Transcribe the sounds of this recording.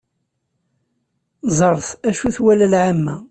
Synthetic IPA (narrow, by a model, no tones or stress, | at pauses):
zˤəɾˤθæʃuθwælælʕamːæ